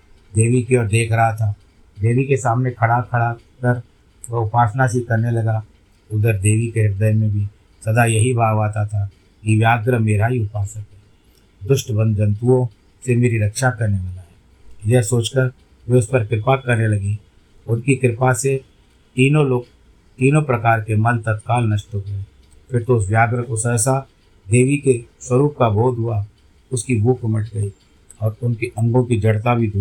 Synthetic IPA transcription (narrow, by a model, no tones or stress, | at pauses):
d̪eːʋikiɔːɾd̪eːkʰɾɐɦat̪ʰa | d̪eːʋikesaːmnekʰɐɽakʰɐɽa | kəɾ | ʊpaːsnasikɐɾnelɐɡa | ʊd̪əɾd̪eːʋikeɦɪɾd̪əjmẽbʱi | sɐd̪ajɐɦibʱaːaːt̪at̪ʰa | kiʋjaːɡɾəmeːɾaɦiʊpaːsək̚t̪e | d̪ʊʃʈbə̃nd̪ə̃nt̪uõ | semeːɾiɾɐkʃakɐɾnelɐɡaɦɛː | jɛːsoːt͡ʃkəɾ | ʋeʊspɐɾkɪɾɪpakɐɾnelɐɡe | ʊnkikɪɾɪpase | t̪iːnõloːɡ̚ | t̪iːnõpɾɐkaːɾkemɐnt̪ət̪̚kaːlnɐʃt̪oɦe | fʰɪɾt̪oʊs̬ʋjaːɡɾəkʊsɛːsa | d̪eːʋikeswəɾuːp̚kabʱoːd̪ʱɦʊa | ʊskibʱuːkmɪʈɡəi | ɔːɾʊnkiʔɐ̃ŋɡõkid͡ʒɐɽt̪abʱid̪ʱu